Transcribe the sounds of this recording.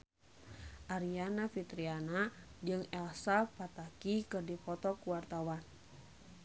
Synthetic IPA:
ʔaɾianafit̪ɾianad͡ʒɨŋɛlsapat̪akikɨrdipɔt̪ɔkuwart̪awan

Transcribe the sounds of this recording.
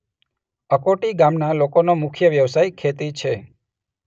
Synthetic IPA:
əkoʈiɡamnalokonomʊkʰjəʋjəʋsajkʰet̪it͡ʃʰe

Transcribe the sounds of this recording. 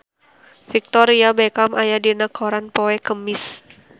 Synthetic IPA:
fik̚t̪ɔɾiabɛkamʔajadinakʰɔɾanpɔɛkəmɪs

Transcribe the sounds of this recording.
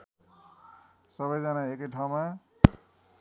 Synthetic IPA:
sʌbʌjd͡zʌnaekʌjʈʰaw̃ma

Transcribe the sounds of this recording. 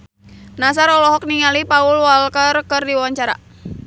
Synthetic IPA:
nasaɾɔlɔɦɔk̚niŋalipaulwalkərkərdiwaɲt͡ʃaɾa̰

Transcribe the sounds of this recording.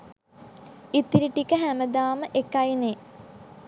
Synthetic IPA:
it̪ːiɾiʈːikːəɦæmɐd̪aːməʔekːajineː

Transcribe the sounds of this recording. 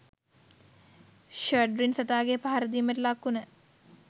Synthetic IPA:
ʃəɖɾinsɐt̪aːɡepaɦaɾəd̪iːməʈlakːunə

